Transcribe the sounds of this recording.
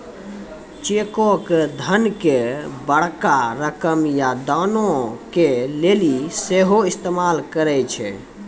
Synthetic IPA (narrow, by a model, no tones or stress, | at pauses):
t͡ʃekoked̪ʱənkebəɽ̤kaɾəkəmjad̪anõkeleliseɦoist̪emalkəɾɛt͡ʃʰɛ̰